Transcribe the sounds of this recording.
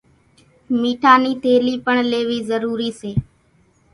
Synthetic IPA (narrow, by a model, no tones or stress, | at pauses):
miːʈʰaːniːt̪ʰeːliːpəɳleːʋiːzəɾuːɾiːseː